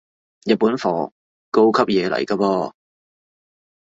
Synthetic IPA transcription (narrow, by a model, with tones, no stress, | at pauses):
jɐ˨t̚pːuː˨˥nfɔː˨˩ | ko˥wkʰɐ˥p̚jɛː˨˧lɐ̰˨˩jkaː˧pɔː˧